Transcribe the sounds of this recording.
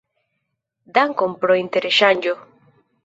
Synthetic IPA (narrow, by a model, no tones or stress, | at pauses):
d̪aŋkompɾoint̪eɾeʃaɲd͡ʒo